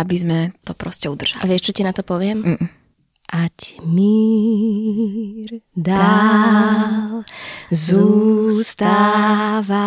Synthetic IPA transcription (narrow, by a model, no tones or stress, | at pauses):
abizmɛt̪ɔpɾɔscɛud̪r̩ʒ̥alʔaʋɪɛʃt͡ʃɔcinat̪ɔpɔʋɪɛm̩ | ʔacmi | ɾd̪a | lzust̪aʋa